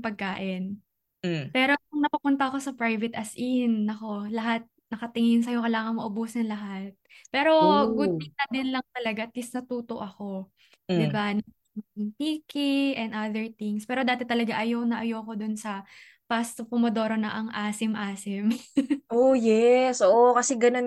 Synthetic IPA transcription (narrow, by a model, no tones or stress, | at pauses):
pɐɡ̚kaːʔɪn | pɛːɾo̞kʊŋnɐpupʊnt̪ɐɐko̞sɐpɾajvɛt̪ʔɐsʔinːɐko̞lɐɦat̪̚nɐkɐt̪ɪŋɪnsɐjo̞kɐlaːŋɐŋmɐʔʊbuːsɐnlɐɦat̪̚pɛːɾo̞ɡʊd̪̚pit̪ɐd̪ɪnlɐŋt̪ɐlɐɡat̪ɪsnɐt̪uːt̪o̞ʔɐko̞ | d̪ɪbanɐŋ | ɪŋp̪iːkɪʔɛnd̪ʔaðɛɹt̪ɪŋspɛːɾo̞d̪aːt̪ɛt̪ɐlɐɡaʔɐjonɐʔɐjoɐko̞d̪ʊnsɐ | past̪opomod̪o̞ːɾonɐʔɐŋʔaːsɪmʔaːsɪmʔojɛsʔoːʔokɐsɛɡɐnon